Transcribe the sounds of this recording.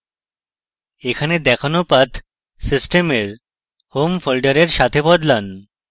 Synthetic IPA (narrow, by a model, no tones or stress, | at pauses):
ekʰaned̪ɛkʰanopat̪ʰ | sisʈemeɾ | homfolɖaɾeɾʃat̪ʰebɔd̪lan